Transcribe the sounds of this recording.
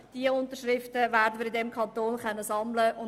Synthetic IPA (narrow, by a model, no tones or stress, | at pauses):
d̥iəʊnt̪əʃrɪftəvæːɾdəməɾɪdɛmkʰɑnt̪oːnχɛnːəsɑmləʊn